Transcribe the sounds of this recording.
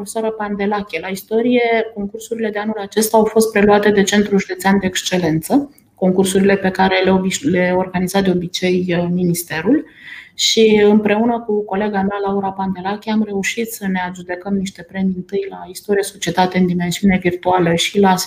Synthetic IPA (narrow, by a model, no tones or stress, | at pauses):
ofesoaɾəpand̪e̞lakʲelaist̪o̞ɾije̞ko̞ŋkursuɾile̞d̪e̞anulat͡ʃe̞st̪aawfo̞st̪pɾe̞luat̪e̞d̪e̞t͡ʃe̞nt̪ɾuʒud̪e̞t̪seand̪e̞ːkst͡ʃe̞le̞nt̪sə | ko̞ŋkursuɾile̞pe̞kaɾe̞leobileorɡanizat̪̚d̪e̞o̞bit͡ʃe̞jminist̪e̞ɾul | ʃiɨmpɾe̞unəkuko̞le̞ɡamealauɾapand̪e̞lakʲeamre̞uʃit̪səne̞aʒud̪e̞kəmniʃt̪e̞pɾe̞miɨnt̪ɨjlaist̪o̞ɾieso̞t͡ʃie̞t̪at̪e̞ɨnd̪ime̞nsiune̞virt̪ualəʃila